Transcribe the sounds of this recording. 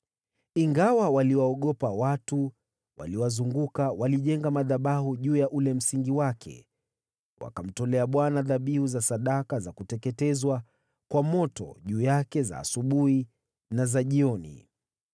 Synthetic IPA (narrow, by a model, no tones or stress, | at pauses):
iŋɡawawaliwaɔɠɔpawatu | wa̰liwazuŋɡukawaliʄɛŋɡamaðaɓaɦuʄuːjaʔulɛm̩siŋɡiwakʰɛ̰ | wa̰kam̩tɔlɛaɓwanaðaɓihuzasaɗakazakutɛkɛtɛzwa | kwamɔtɔ̰ʄuːjakɛza̰ːsuɓuhi | nazaʄiɔnḭ